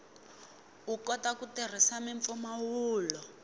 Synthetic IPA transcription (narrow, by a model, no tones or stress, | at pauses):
ukɔtakutir̤isamiɱfɔmawuːlɔ